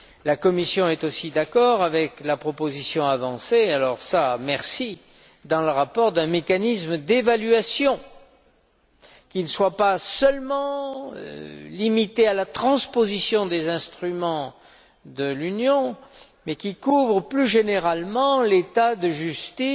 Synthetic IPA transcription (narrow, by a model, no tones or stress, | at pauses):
lakɔmisjɔ̃ɛt̪osid̪akɔʁavɛklapχɔpozisjɔ̃avɑ̃sealɔʁsamɛʁsi | d̪ɑ̃ləʁapɔʁd̪ɛ̃mekanismd̪evalɥasjɔ̃ | kʲinəswapasœlmɑ̰̃ | limit̪ealat̪χɑ̃spozisjɔ̃d̪ezɛ̃st̪χymɑ̃ | d̪əlynjɔ̃mɛkʲikuvʁəplyʒeneʁalmɑ̃let̪ad̪əʒyst̪i